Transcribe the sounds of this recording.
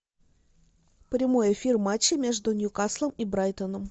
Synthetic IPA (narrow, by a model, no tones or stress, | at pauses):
pɾʲɪmo̞jɪfʲirmat͡ɕːɪmʲe̞ʐd̪ʊnʲjʊkaslˠəmibɾajt̪ənəm